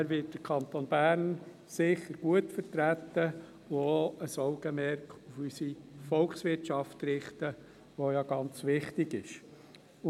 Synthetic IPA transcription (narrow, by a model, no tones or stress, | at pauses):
æɾʋɪt̚d̥əɾkʰɑnt̪onb̥æːɾn | sɪχəɾɡ̥uətfəɾtɾæt̪ːə | uoəsɔʊɡəmɛɾkufysifɔlksʋɪrtʃɑftrɪχtə | ʋojɑɡ̥ɑnt͡sʋɪχtɪɡɪʃ | ʊ